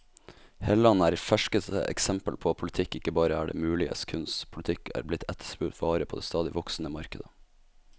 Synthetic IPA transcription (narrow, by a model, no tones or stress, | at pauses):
heːləlɑnæːɾfæʂkəst̪ə̰ʔɛ̰ksɛmpəlpʰoːpʰʊlɪt̪ʰɪkːɪkːəbɑːɾəæːɖḛːmʉːlɪə̰skʰʉnspʰʊlt̪ʰɪkːæ̰ːɾblɪt̪ʰɛt̪ʰːə̥spʉt̪ʋɑːɾəpʰo̰ːd̪ḛːst̪ɑːd̪ɪʋɔksn̩əmɑɾkəd̪ə